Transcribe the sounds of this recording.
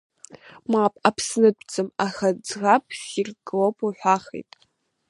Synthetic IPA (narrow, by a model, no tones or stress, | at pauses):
mapʼapʰsnɨdʷʰʼt͡sʼɨmaxad͡zʁapʼʰsirɡlopʰʼoħʷᶣaχḛtʼ